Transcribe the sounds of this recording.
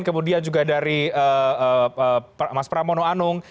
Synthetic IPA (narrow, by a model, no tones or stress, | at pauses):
nkəmudiand͡ʒuɡadaɾiəəəpmaspəɾamonoanʊŋ